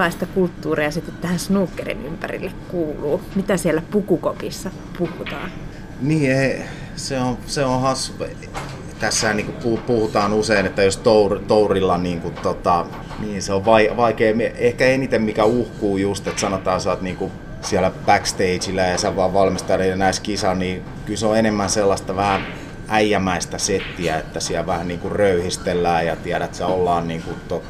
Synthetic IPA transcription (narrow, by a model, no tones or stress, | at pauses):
ɑist̪ɑkult̪ːuːriɑsit̪ːet̪t̪æhæ̃nsnuːkːerḭnympæ̰rḭlːekkuːlṵːmit̪æsielːæpukukopisːɑ | puhut̪ɑ̰ːn | niːei | seoseõhɑsːu | t̪æsːæːniːŋkupupuhut̪ɑːnuseinet̪ːæjost̪ourt̪ourilːɑniːŋkut̪t̪ot̪ɑ | niːnseoʋʋɑiʋɑikeːmiehkæenit̪emmikæuhkuːjust̪et̪sɑnot̪ɑːsɑt̪niːŋku | siælæb̥ækst̪eit͡ʃilːˑæjɑseʋʋɑːʋʋɑlmist̪ɑrɑenæiskisɑnniː | kylseoenemːænselːɑst̪ɑʋæhæ | ʔæijæmæist̪æset̪ːiæet̪ːæsiæʋæhænniːŋkurrøyhist̪elːæːjɑt̪iæɾæt̪seolːɑːnniːŋkut̪t̪ot̪